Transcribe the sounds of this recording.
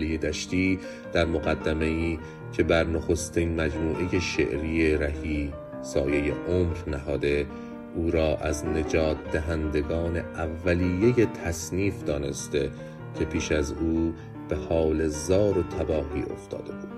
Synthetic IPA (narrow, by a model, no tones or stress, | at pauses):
lijed̪æʃt̪iː | d̪̥æɾmoɣæd̪ːæme̞iː | cʰe̞bæɾnoxo̞st̪iːnmæd͡ʒmuːʔe̞je̞ʃḛʔɾiːeɾæhiː | sɒːje̞je̞ʔomɾnæɦɒːd̪e̞ | ʔuːɾɒːʔæzne̞d͡ʒɒːt̪̚ʰd̪æɦænd̪e̞ɡɒːne̞ʔævːæliːjːeje̞t̪ʰæsniːfd̪ɒːne̞st̪e̞ | cʰe̞pʰiːʃæzuː | b̥e̞hɒːle̞zɒːɾot̪ʰæbɒːɦiːʔo̞̰ft̪ʰɒ̰ːd̪e̞buːd̪̥